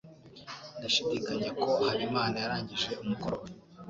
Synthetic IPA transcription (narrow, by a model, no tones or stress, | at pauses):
ndaʃidiːkaɲe̞ko̞haɾimaːnajaɾaːɲɟiʒe̞umuko̞ɾwa